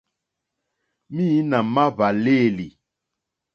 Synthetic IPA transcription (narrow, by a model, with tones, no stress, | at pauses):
mi˦na˨ma˦βa˨le˦˨li˨